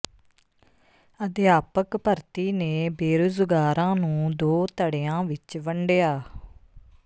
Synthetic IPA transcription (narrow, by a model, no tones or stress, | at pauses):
əd̪jaːpəkpəɾt̪iːneːbeːɾʊzɡaːɾãːnũːd̪oːt̪əɽejãːʋɪt͡ʃʋəɳɖjaː